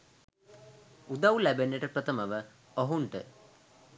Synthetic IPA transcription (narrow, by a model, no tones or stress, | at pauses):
ud̪aulæbenːeʈəprət̪əməʋə | oɦuɳʈə̰